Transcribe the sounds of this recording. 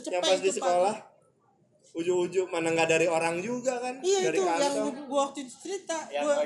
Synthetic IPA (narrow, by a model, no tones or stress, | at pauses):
t͡ʃəjaŋpast̪isəkolah | ud͡ʒʊud͡ʒʊmanaŋɡadaɾioɾaŋd͡ʒuɡakanijadiaɾiukaaɡuawak̚t̪ut̪t͡ʃəɾit̪aɡua